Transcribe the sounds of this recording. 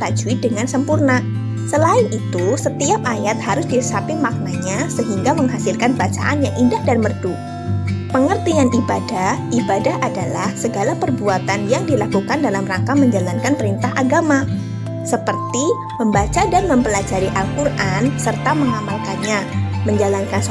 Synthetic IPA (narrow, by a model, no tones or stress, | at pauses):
t̪ad͡ʒuidəŋansəmpurna | səlaɪnʔit̪usət̪iap̚ajat̪̚haɾʊsdiəsapimak̚naɲasəɦiŋɡaməŋɦasɪlkanbat͡ʃa̰ʔanjaŋindahdanmərdu | pəŋərt̪ianibadahʔibadahʔadalahsəɡalapərbuat̪anjaŋdilakukandalamraŋkaməɲd͡ʒalankanpəɾint̪aɦaɡama | səpərt̪i | məmbat͡ʃadanməmpəlad͡ʒaɾiʔalkurʔansərt̪aməŋamalkanɲaməɲd͡ʒalankan